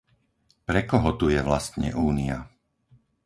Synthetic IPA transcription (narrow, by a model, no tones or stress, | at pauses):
pɾɛkɔɦɔt̪ujɛʋlast̪ɲɛ̰ʔuːnia̰